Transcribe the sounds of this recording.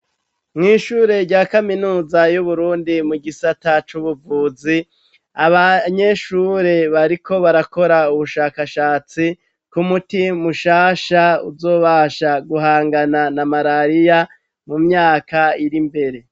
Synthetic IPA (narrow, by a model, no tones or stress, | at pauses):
mŋiːʃuːɾe̞ɾɟaːkaminuːzajuβuɾuːndimuɡisatat͡ʃuβuvuːzi | aβaɲe̞ʃuːɾe̞βaɾikʰo̞βaɾako̞ɾauβuʃaːkaʃaːt͡si | kumutimuʃaːʃaṵzo̞ːβaːʃaɡuɦaːŋɡananamaɾaɾija | mumɲaːkaiɾimbe̞ɾe̞